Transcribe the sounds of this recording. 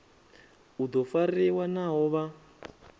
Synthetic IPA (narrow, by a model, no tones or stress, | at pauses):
ud̪ɔfariwanaɦɔβa